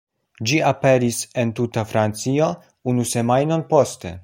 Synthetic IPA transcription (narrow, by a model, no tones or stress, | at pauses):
d͡ʒiape̞ɾisent̪utafɾant͡sio̞ | unuse̞majnonpo̞ste̞̰